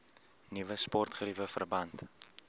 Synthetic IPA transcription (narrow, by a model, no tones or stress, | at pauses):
nivəspɔrtχəɾivəfə̰rbɐnt